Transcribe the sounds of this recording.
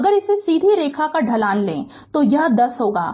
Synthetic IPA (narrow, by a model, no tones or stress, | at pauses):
ɐɡəɾɪsesiːd̪ʱiɾeːkʰakaɖʱɐlaːnlḛ̃ː | t̪ojɐɦd̪ɐsɦoːɡa̰ː